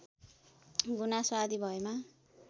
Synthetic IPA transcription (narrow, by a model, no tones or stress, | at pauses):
ɡunaswad̪ʱibʱʌema